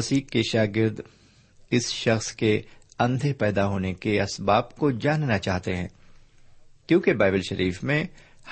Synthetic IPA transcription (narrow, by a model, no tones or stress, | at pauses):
ɐsiːkːeʃaːɡɪɾd̪ | ɪsʃɐxskeɐ̃nd̪ʱepɛːd̪aɦoːnekeɐsbaːbkod͡ʒaːnnat͡ʃaːɦt̪eɦɛ̰̃ː | kjõːkebaːɪbɪlʃɐɾʔiːfmẽ | h